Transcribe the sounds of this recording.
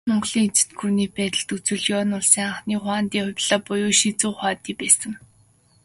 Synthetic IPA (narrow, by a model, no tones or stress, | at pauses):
mɔɴɢɮiːŋet͡sɘ̥̆t̪ɡʰurniːpæːt̪ə̆ɮt̪ut͡sɘ̆ɮjɔːnʊɮsiːŋaɴχniːχwaːnt̪iːχʊpʲɮaːpʊjʊːʃit͡suːχaːt̪iːpæːsə̆ŋ